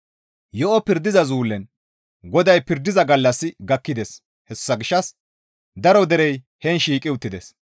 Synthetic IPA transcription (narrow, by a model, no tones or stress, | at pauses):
jɔʔɔpɪɾd̪ɪzɐzuːlːɛn | ɡɔd̪ɐjpɪɾd̪ːɪzɐɡɐlːɐsːɪɡɐkːɪd̪ɛs | hɛsʊ̥sːɐɡɪʃːɐs | d̪ɐɾɔd̪ɛɾɛj | hɛnʃiːkʼɪʊt̪ːɪd̪ɛs